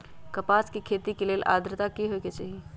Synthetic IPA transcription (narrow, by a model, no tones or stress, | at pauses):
kɐpaːskikʰeːt̪ikeleːlʔa̰ːd̪ɾət̪akiɦoeket͡ʃaːɦie